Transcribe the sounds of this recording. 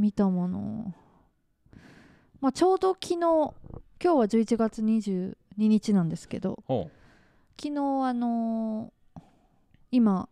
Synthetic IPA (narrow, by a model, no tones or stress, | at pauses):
mʲit̪amo̞no̞̰ | mat͡ɕo̞ːd̪o̞kʲʰino̞ːkʲo̞ːβad͡ʑɨːit͡ɕiɡat͡sɨɲ̟iʑɨːɲ̟iɲ̟it͡ɕinãnd̪e̞sɨ̥ke̞̰d̪o̞̰ | kʲinoːano̞ | ima